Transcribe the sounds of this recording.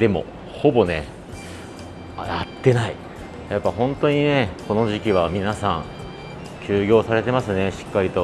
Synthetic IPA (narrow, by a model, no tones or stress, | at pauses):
d̪e̞mo̞̰ | ho̞bo̞ne̞ | ajat̪ːe̞nai | japːahõ̞nt̪o̞ɲ̟ine̞ko̞no̞ʑikʲiβ̞amʲinasãŋ | kʲɨːɡʲo̞ːsaɾe̞t̪e̞masɨne̞ɕi̥kːaɾʲit̪o̞